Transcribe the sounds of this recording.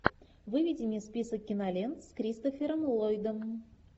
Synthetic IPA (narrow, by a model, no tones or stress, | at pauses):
vɨvʲidʲɪnʲispʲisək̚ːʲɪnalʲent̪skɾʲist̪ofʲeɾəmlˠojd̪əm